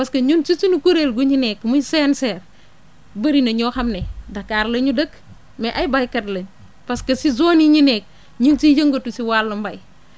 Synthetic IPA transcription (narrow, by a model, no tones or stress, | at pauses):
paskɐɲunt͡ʃit͡ʃinukuɾelɡuɲinɛkmujsensɛːɾ | bɐɾinɐɲɔːxɐmnedɐkaɾlɐɲudək | meʔajbajkɐdlɐɲ | paskɐsizoːniɲinek̚ | ɲunt͡ʃiːd͡ʒɐŋɡotusiwalːɐmbaj